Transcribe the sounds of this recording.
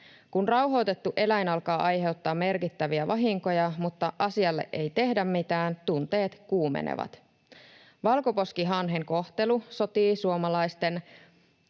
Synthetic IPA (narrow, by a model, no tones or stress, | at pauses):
kunrɑwɦo̞wt̪e̞t̪ːuʔe̞læjnɑlkɑːʔɑjɦe̞wt̪ːɑːmːe̞rkit̪ːæʋiæʋɑɦiŋko̞jɑmut̪ːɑʔɑsiɑlːe̞̰ʔʔe̞jt̪e̞hdæmːit̪æːnt̪unt̪e̞ːt̪kuːmḛnḛʋɑ̰t̪ | ʋɑlko̞po̞skiɦɑnɦeŋko̞ht̪e̞luso̞t̪iːsuomɑlɑjst̪e̞n